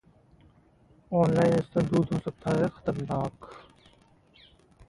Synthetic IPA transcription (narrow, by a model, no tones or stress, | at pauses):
oːnlaːjnɪst̪ɐd̪uːd̪ɦoːsəɡ̚t̪ʰaːɦeːxə̥t̪əɾnaːk